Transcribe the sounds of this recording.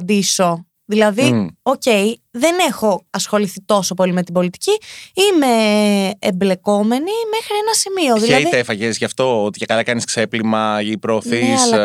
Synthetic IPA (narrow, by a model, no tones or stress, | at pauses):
nd̪iso̞ | ðilɐðioce̞jðe̞ne̞xo̞ɐsxo̞liθit̪o̞so̞po̞lime̞t̪ibo̞lit̪i̥ciime̞ː | mble̞ko̞me̞nime̞xɾienɐsimio̞ðilɐiðit̪efɐʝezʝɐft̪o̞ot̪icekɐlɐkɐniskse̞plimɐipɾoːθisl